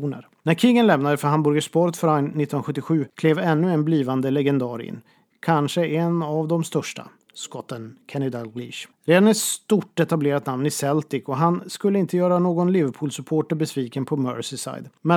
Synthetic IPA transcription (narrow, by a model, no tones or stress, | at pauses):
uːnə̰ɾ | næɾkʰɪɡənlɛmnad̪əfœɾɦambœɾɡaʂpɔːɾət̪fœɾannːɪt̪ːnɧɵt̪ːɪɧʉ̟ːkʰleːvɛnːɵɛnbliːvand̪əlɛɡɛnd̪ɑːɾɪ̰nː | kʰanʂəʔɛnavd̪ɔmst̪œʂʈa̰ | skɔt̪ːənkʰɛnɪd̪alɡɾḭːʂ | ɾeːd̪anɛst̪uʈːɛt̪ableːɾat̪namnɪsɛlt̪ɪkɔɦanskɵlːəɪnt̪əjœːɾanoːɡɔnlɪvəɾpʰuːlsɵpʰoːʈəɾbɛsviːkənpʰɔmœ̰ɾsɪsa̰jd̪mɛ